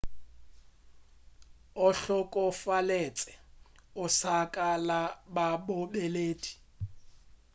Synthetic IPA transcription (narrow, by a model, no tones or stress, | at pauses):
ʊɬɔkʼɔfalet͡sʼɛ̥ʊsakʼalababʊbeleːdi̥